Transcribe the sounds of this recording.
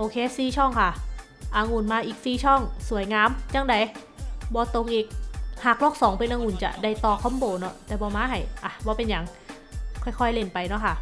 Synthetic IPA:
ʔoː˧kʰeː˦˥siː˨˩t͡ɕʰɔ˥˩ŋkʰa˥˩ | ʔa˧ŋuː˨˩nmaː˧˥ʔiː˨˩k̚siː˧˩t͡ɕʰɔ˥˩ŋsu˨˩˦əjŋaː˦˥mt͡ɕa˧˥˩ŋda˧j | bɔː˧t̪o˧ŋʔiː˧˩k̚haː˨˩k̚lɔː˥˩k̚sɔː˩˦ŋpe˧nʔaː˧ŋu˨˩nt͡ɕa̰˨˩da˧˩jt̪ɔː˧˩kʰɔ˧˥mboː˧˩nɔ˧˥˩t̪ɛː˨˩bɔː˧maː˧˥ɦa˨˩jʔa˨˧˩bɔː˧˦pe˧nja˨˧ŋ | kʰɔ˥˩jkʰɔ˥˩jle˧˩npa˧jnɔ˦˥kʰa˥˩

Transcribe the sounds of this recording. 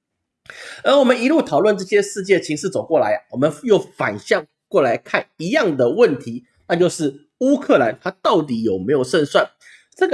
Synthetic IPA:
ə˞˧˥wɔ˨˩mə˨˦ni˧˥lu˥˩t̪ʰɑ˨˩ʊlwə˥˧nʈ͡ʂɤ˥˧˩ɕjɛ˥ʂɻ̩˥˧t͡ɕjɛ˥˩t͡ɕʰi˧˥ŋʂɻ̩˥˩t͡so˨˩ʊkwɔ˥˩la˧˥ɪɐ˦wɔ˨˩mə˧˦njo˥˩ʊfa˨˩nɕjɑ˥˧ŋ | kwɔ˥˩la˧˥ɪkʰa˥˩ni˧˥jɑ˥˩ŋd̪ə˩wə˥˩nt̪ʰi˧˥˦ | na˥˧t͡ɕjo˥˧ʊʂɻ̩˥˩ | u˥kʰɤ˥˩la˧˥nt̪ʰa˥t̪ɑ˥˩ʊt̪̬i˧˥jo˨˩ʊme˧˥ɪjo˨˩ʊʂə˥˧nswa˥˩n | ʈ͡ʂɤ˥˩ɡ

